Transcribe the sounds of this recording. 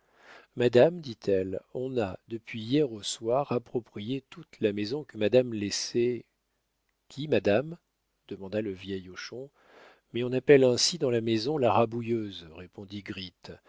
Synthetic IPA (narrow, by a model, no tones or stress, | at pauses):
mad̪amd̪it̪ʰɛlɔ̃nad̪əpɥiːjɛʁoswaʁapχɔpχijet̪ut̪lamezɔ̃kəmad̪amlesɛ | kʲimad̪am | d̪̥əmɑ̃d̪aləvjɛjoʃɔ̃ | mɛɔ̃napɛlɛ̃sid̪ɑ̃lamezɔ̃laʁabujøzʁepɔ̃d̪iɡʁit̪